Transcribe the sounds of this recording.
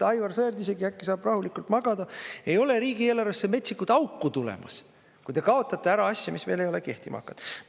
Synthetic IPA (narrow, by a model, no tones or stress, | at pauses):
t̪ɑjvɑrsejrd̪ise̞ɡiækːisɑːb̥rɑhulikˑult̪mɑɡ̥ɑd̪̥ɑe̞jo̞le̞ɾiːɡ̥ieːlːɑɾɑsːemet̪sikːut̪ɑukːut̪ulḛmɑs | kujd̪e̞kɑo̞t̪ːˑɑt̪ːe̞æɾɑɑsʲjɑmisve̞ːle̞jo̞le̞ke̞ht̪imʔɑ̰kːˑɑt̪